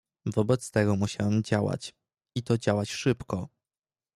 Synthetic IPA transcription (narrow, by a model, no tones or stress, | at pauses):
vɔbɛt̪st̪ɛɡɔmuɕawɛmd͡ʑawa̰t͡ɕ | it̪ɔd͡ʑawat͡ɕʂɘpkɔ